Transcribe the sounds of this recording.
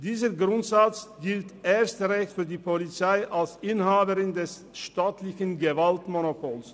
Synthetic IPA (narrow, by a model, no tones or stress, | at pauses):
d̥iːzəɡʁʊntz̥at͡sɡ̥ɪltʔeːɐstəʁɛçtfyːɐdiːpʰolit͡saɪʔalsʔɪnhaːbəʁɪndɛs | ʃtaːtʰlɪçənɡəvaltmonopʰoːls